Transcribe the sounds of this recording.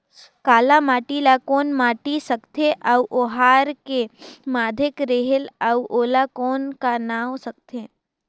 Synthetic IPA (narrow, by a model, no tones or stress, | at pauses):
kaːlamaːʈilakoːnmaːʈisɐkt̪ʰeʔɐʔoːɦaːɾkemaːd̪ʱɪkɾeɦəlɐuʔoːlakɔːnkanaːwsɐk̚t̪ʰe